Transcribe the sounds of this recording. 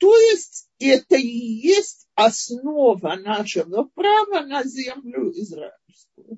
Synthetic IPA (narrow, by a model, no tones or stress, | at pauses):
t̪ojɪsʲtʲɡʲet̪ɐjesʲtʲɐsnovɐnaʃɐɡɐpravɐnɐzʲɛmlʲʊɪzra̰ɪlʲskʊjʊ